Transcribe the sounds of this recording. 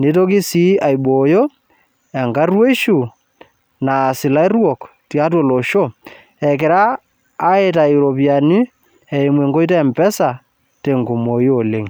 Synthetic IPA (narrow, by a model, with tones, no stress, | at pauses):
ne˦to˦k̬i˦si˦a˨jɓo˨jo˦ | ɛ˨ŋɡa˦rwe˦ʃu˨ | na˨sɪ˨la˦rwɔ˨k | ti˨a˦t̬wo˨lo˨ʃo˦ | ɛ˨kɪ˨ɾaː˦ | e˦ta˨i˨ɾo˨pja˨nɪ˦ | ɛ˨i˨mwe˨ŋɡo˦i˦tɛ˦˨mpɛ˦sa˨ | te˨ŋɡo˨mo˨i˦o˨le˦ŋ